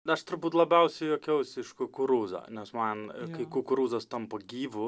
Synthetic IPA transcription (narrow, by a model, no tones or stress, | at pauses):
ɐʃt̪ʊɾbuːt̪lˠɐbʲɛʊsʲɛɪjoːkʲɛʊsʲɪʃkʊkʊɾuːzɐ̰nʲɛsmɐnkɐɪkʊkʊɾuːzɐst̪ɐmpɐɡʲiːʋʊ